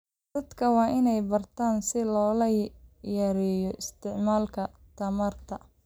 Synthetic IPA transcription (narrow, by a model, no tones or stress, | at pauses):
d̪ɐd̪kʰɐwɑːʔɪnɛjbɐrt̪ʰaːnsɪlɔːlɐjɐɾɪjɔʔɪst̪ʰɪʕmaːlkʰɐ | t̪ʰɐmaːrt̪ʰɐ